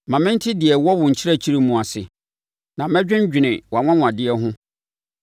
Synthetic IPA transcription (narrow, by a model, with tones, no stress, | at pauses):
mã˨mɪ̃˦n̩˦tʰɪ˦dɪ˨ɛ˨wɔ˦wʊ̃˨ɲ̩˨t͡ɕʰɪ˦ɾa˦t͡ɕʰi˦ɾi˦mũ˨a˨sɪ̰˨ | nã˨mɛ̃˦d͡ʑᶣɪ̃˦ɲ˦d͡ʑᶣɪ˨nɪ̃˨wɔ˨a˨ŋʷã˦ŋ̃˨a˨dɪ˦ɛ˦ɦʊ̃˦